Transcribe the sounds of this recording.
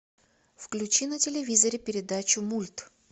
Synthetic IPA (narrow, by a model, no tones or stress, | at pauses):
fklʲʉt͡ɕinətʲɪlʲɪvʲizəɾʲɪpʲɪɾʲɪd̪at͡ɕʊmulʲt̪